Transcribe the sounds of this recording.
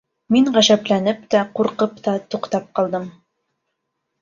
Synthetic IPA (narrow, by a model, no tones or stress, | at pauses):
miɴʁæʃæplænɘpt̪æquɾqɤpt̪ɑt̪uqt̪ɑp̚qɑlˠd̪ɤm